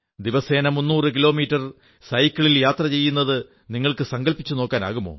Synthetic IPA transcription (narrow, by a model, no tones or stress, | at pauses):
d̪iʋɐseːnɐmunːuːrɨk̬ilo̞ːmiːʈːɐr | sɐjkʲːɐɭiljaːt̪rɐt͡ɕe̞jːunːɐðɨ | niŋːɐɭkɨsɐŋɡɐlpːit͡ɕːuno̞ːkːaːna̰ːɣumːo̞̰ː